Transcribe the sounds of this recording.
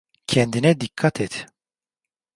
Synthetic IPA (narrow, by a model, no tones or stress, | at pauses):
cʰɛnd̪inɛd̪ikʰːat̪ʰɛt̪